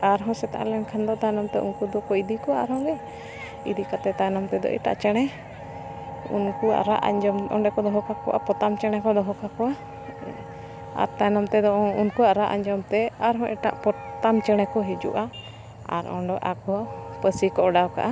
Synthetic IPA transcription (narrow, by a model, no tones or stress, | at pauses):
aɾɦɔ̃sɛt̪a̰ʔa̰lɛnkʰand̪ɔt̪ajnɔmt̪ɛʔṵnkud̪ɔkɔid̪ikɔwaaɾɦɔ̃ɡɛ | id̪ikat̪ɛt̪ajnɔmt̪ɛd̪ɔ̰ʔɛ̰ʈa̰ʔt͡ʃɛɽ̃ɛ | ṵnkua̰ɾaʔa̰ɲd͡ʒɔmɔ̰ɖɛkɔd̪ɔɦɔkakɔ̰wʔa̰pɔt̪amt͡ʃɛɽ̃ɛkɔd̪ɔɦɔkakɔwa | a̰ɾt̪ajnɔmt̪ɛd̪ɔ̃unkuaʔɾaʔaɲd͡ʒɔmt̪ɛaɾɦɔ̃ʔɛʈa̰ʔpɔt̪amt͡ʃɛɽ̃ɛkɔɦid͡ʒṵʔa | a̰ɾɔ̰̃ɖɔʔakɔwapəsikɔɔɖawka̰ʔa